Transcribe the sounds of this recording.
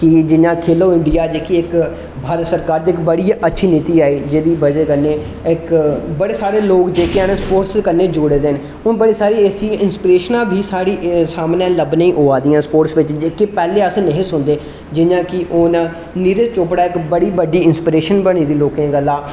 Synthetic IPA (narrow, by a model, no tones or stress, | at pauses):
kɪd͡ʒɪɲãːkʰeːloːɪ̃ɳɖijaːd͡ʒeːkiɪk | bʱaːɾət̪səɾkaːɾd̪iɪkbəɽiːʔətːʃʰiːniːt̪iːaːiːd͡ʒeːd̪iːbəd͡ʒeːkənːeː | ɪkbəɽeːsaːɾeːloːkd͡ʒeːkeːənspoːʈskənːeːd͡ʒoːɽeːd̪eːn | ʊnbəɽiːsaːɾiːesiːɪnspɪɾeːʃnãːbʱiːsaːɾiːsaːmnãːləbnẽĩːʔoːaːd̪ijãːspoːʈsʋɪt͡ʃd͡ʒeːkeːpɛːleːəsneɦẽːsʊnd̪eː | d͡ʒɪɲãːkɪʔʊn | niːɾet͡ʃoːpɽaːɪkbəɽiːbəɖiːɪnspɪɾeːʃənbəɽ̃iːd̪iːloːkẽːɡəlːãː